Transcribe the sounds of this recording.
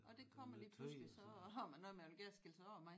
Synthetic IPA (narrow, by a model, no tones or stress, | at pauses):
ɒ̽d̥e̝kʰɒm̰ɐliːpʰlusllisɒ̽hɑmænːɔð̩ˠmeolɡ̥eɐɐsɡ̥elsəɒ̰ɐmɑ̈ɪ